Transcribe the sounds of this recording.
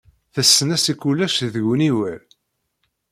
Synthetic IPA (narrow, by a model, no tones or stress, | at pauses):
θæsːənæsikːulːæʃðəʝniwæɾ